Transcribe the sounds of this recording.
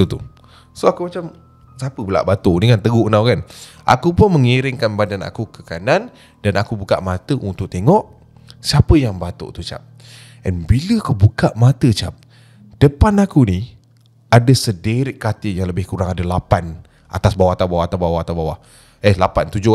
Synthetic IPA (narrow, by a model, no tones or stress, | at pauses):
ut̪u | soakumat͡ʃam | sapəbəla̰ʔbat̪oʔnikant̪əɡuʔnawkanʔa̰kupʊnməŋiɾɪŋkanbadana̰kukəkanan | danakubuka̰ʔmat̪əʔunt̪ʊk̚t̪eŋɔʔ | siapəjaŋbat̪o̰ʔt̪ut͡ʃa̰p̚ | ʔɛnbiləakubukaʔmat̪ət͡ʃap̚ | d̥əpanakuni | adəsədeɾɪʔkːat̪ɪjaŋləbɪhkuɾaŋadalapan | ʔa̰t̪asbawaht̪awbawat̪awbawaht̪awbawaʔ | ɛhlapant̪ud͡ʒʊ